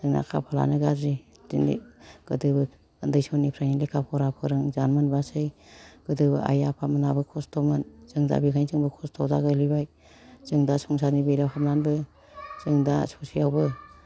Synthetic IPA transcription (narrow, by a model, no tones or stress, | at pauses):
zɯŋna̰kʰa̰pʰala̰nɯɡaɾi | zinḭɡ̥ɯdɯbɯ | andɯjsɔnipʰɾajnilekʰapʰɔwɾapʰɯɾɯŋzanmɯnbasɯjɡ̥ɯdɯbɯ̰ʔa̰japʰamanabɯkʰɔstʰɔmɯnzɯŋda̰bikʰajnzɯŋbɯkʰɔstʰɔwdaɡɯlibaj | zɯŋdasuŋsanibejlawɦamnanbɯ | zɯŋdasɔsijawbɯ